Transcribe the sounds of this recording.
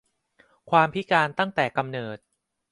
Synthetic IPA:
kʰwaː˧mpʰi˦˥kaː˧nt̪a˥˩ŋt̪ɛː˨˩ka˧mnɤː˨˩t̪̚

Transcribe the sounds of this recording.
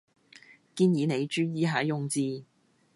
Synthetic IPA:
kiː˧njiː˨˧ne˨˧jt͡ʃyː˥jiː˨˧ɦaː˨˥jʊ˨˧ŋt͡siː˧

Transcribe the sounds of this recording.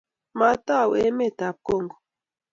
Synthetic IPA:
ma˦t̪a˦˨we˦me˦˨t̪a˨p̚ko˦˨ŋɡo˨

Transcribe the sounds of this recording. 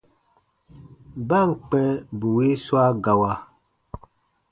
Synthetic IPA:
ba˦˨ŋ̩˨k͡pɛ˦bu˨we˦swa˦ɡa˨wa˨

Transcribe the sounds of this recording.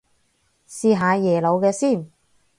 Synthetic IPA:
siː˨˧ɦaː˨˧jɛː˨˩lo˨˧wkɛː˧siː˥˩n

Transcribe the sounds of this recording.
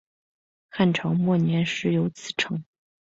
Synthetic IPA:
xa˥˩nʈ͡ʂʰɑ˧˥ŋmwɔ˥˩njɛ˧˥nʂɻ̩˧˥jo˧˥ʊt͡sʰɹ̩˨˩ʈ͡ʂʰɤ˧˥ŋ

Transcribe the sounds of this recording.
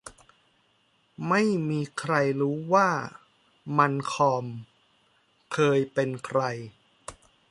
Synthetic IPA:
ma˥˩jmiː˧kʰɾa˧jɾuː˦˥waː˥˩ | ma˧nkʰɔː˧m | kʰɤː˧jpe˧nkʰɾa˧j

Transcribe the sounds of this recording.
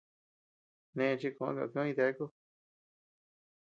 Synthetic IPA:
nẽ˧t͡ʃi˧kõ˨ã̰˦ka̰˧˨˧kĩ˧t̪e˧˦ku˦

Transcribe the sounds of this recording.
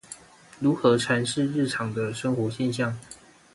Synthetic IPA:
ɻu˧˥xɤ˧˥ʈ͡ʂʰa˧˥nʂɻ̩˥˧ɻɻ̩˥˩ʈ͡ʂʰɑ˨˩ŋd̪ə˦ʂə˥ŋxwɔ˧˥ɕjɛ˥˧nɕjɑ˥˩ŋ

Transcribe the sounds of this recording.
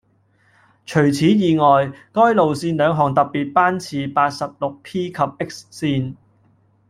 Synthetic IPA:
t͡ʃʰɵ˨˩ɥt͡sʰiː˨˥jiː˨ŋɔː˨jkɔː˥jlo˨wsiː˧nlœː˨˧ŋɦɔː˨˩ŋt̪ɐ˨p̚ːiː˨t̚paː˥nt͡sʰiː˨˧paː˧t̚sɐ˨p̚lʊ˨k̚pʰiː˥kʰɐ˨p̚ʔɪ˥k̚ssiː˧n

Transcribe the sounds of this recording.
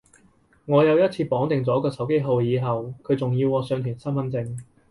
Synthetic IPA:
ŋɔː˨˧jɐ˨˧wjɐ˥t̚t͡sʰiː˧pɔː˨˥ŋt̪ɪ˨ŋt͡sɔː˨˥kɔː˧sɐ˨˥wke˥jɦo˧wjiː˨˧ɦɐ˨wkʰɵ˨˧ɥt͡sʊ˨ŋjiː˧wɔː˨˧sœː˧ŋt̪ʰy˨˩nsɐ˥nmɐ˨˥nt͡sɪ˧ŋ

